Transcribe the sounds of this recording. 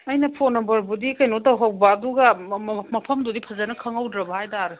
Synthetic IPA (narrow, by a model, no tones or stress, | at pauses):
ɐjnɐpʰonɐmbɐɾbudikɐjnotɐwɦɐw̚bɐːduɡɐmɐpʰɐmdudipʰɐzanɐkʰɐŋɐwdɾɐbɐhajtaɾɯ